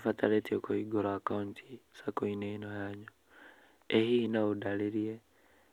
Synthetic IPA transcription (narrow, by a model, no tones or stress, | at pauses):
fataletiokoiɡoɾaakauntʰi̥sakoineinojaɲo | ehinaudaleɾie